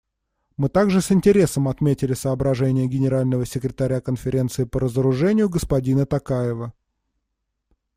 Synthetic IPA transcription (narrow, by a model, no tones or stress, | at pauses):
mɨt̪aɡʐɨsɪnʲtʲɪɾʲe̞səmɐt̪mʲetʲɪlʲɪsəːbɾɐʐɛnʲɪjəɡʲɪnʲɪɾalʲnəvəsʲɪkɾʲɪt̪ɐɾʲakənfʲɪɾʲe̞nt̪sɨɪpəɾəzəɾʊʐɛnʲɪjʊɡəspɐdʲinət̪ɐkajɪvə